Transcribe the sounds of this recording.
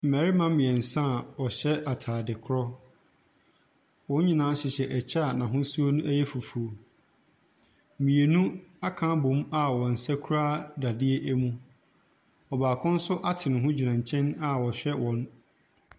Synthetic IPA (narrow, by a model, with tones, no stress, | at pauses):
m̩˨mæ˨ɾi˦mã˦mĩ˨ɛ˨n̩˨sã˦˨wɔ˨ɕɛ˦ʔa˨tʰaː˨dɪ˨kʰʊ˦ɾɔ˦ | wɔ̃˦ɲ˦ɲĩ˦nã˦ɕɪ˨ɕɛ˨ʔɛ˨t͡ɕʰa˦˨nã˨ɦʊ̃˦su˦o˦nũ˦ʔæ˦jɛ˦fu˨fu˨o˨ | mĩ˨e˨nũ˦a˦kʰã˦bʊ̃˨˦ma˦wɔ̃˨n̩˨sæ˦kʰu˦ɾaː˦da˨dɪ˦e˦ʔæ˦mũ˦ | ɔ˨baː˨kʰʊ̃˦n̩˦sʊ˦ʔa˦tʰɪ˨nʊ̃˨ɦʊ̃˦d͡ʑi˨nã˨ɲ˨t͡ɕʰɛ̃˦na˦wɔ˨ɕᶣɛ˦wɔ̃˨˦n